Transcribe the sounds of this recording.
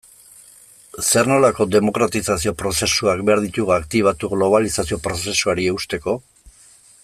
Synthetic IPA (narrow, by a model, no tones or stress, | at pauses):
se̞ɾno̞lako̞d̪e̞mo̞kɾat̪isasio̞pɾo̞se̞suakbe̞aɾðit̪uɣakt̪iβ̞at̪uɣlo̞β̞alisasio̞pɾo̞se̞suaɾie̞ust̪e̞ko̞